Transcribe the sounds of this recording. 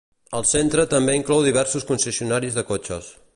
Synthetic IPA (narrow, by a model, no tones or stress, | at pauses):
əlˠsent̪ɾət̪əmbeiŋklɔwðiβ̞ɛɾsuskunsəsiunaɾizðəkot͡ʃo̰s